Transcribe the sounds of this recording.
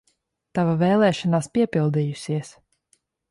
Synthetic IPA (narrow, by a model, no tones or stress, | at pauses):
t̪avavɛːlˠɛːʃɔnaːspiɛpilˠd̪ijusiɛs